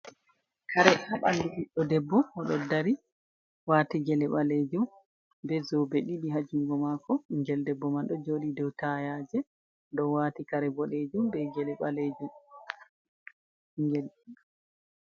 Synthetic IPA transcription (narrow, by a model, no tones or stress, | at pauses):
kʰaɾɛhaɓanduʔiɗːɔdɛbːɔɔɗɔ̰daɾi | waːtiɡɛlɛɓaled͡ʒum | bɛzɔbeɗiɗiɦad͡ʒuŋɡɔmakɔiŋɡɛldɛbːɔmanɗɔd͡ʒoɗidɔwtajad͡ʒɛ | dɔwaːtikaɾɛbɔled͡ʒumbɛɡɛlɛɓaled͡ʒum | ŋɡɛl